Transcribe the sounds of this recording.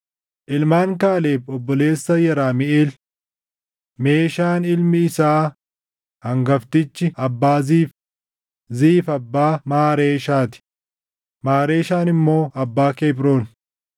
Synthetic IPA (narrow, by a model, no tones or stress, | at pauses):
ʔɪlmaːŋkaːleːfɔbːɔle̞ːsːɐjɐɾaːmɪʔeːl | me̞ːʃaːnɪlmɪɪsaː | hɐŋɡɐft̪ɪt͡ʃːɪɐbːaːziːf | ziːfɐbːaːmaːɾeːʃaːt̪ɪ̥ | maːɾeːʃaːnɪmːo̞ːɐbːaːkeːbɾo̞ːn